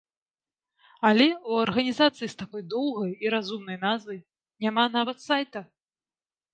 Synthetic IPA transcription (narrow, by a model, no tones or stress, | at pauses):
alʲɛuɐrɣɐnʲizat̪sɨjist̪akɔjd̪ɔwɣɐjiɾazumnɐjnazvɐj | nʲaman̪avɐt̪sajt̪ɐ